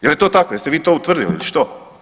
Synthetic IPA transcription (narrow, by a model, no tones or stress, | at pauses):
jɛljɛt̪oːt̪akojɛst̪eʋiːt̪oːut̪ʋr̩d̪iliḭliʃt̪o